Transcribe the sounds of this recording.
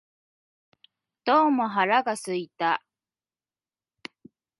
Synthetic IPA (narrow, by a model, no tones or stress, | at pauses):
d̪̥oːmoɦaɾaɡasɨit̪a